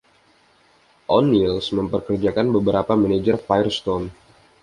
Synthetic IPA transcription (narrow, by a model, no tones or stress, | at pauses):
ʔɔnːilsməmpərkərd͡ʒakanbəbəɾapamaned͡ʒərfajɛrst̪ɔn